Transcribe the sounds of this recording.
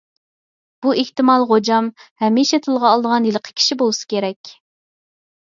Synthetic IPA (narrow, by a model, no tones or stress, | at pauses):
b̥ueht̪ɨmɑlˠʁod͡ʒɑmhɛmiʃɛt̪ʰɨlˠʁɑːlˠd̪əʁɑnjelˠəqʰə̥kʲʰi̥ʃibolˠɨsɨ̥kʲʰeɾɛkʲ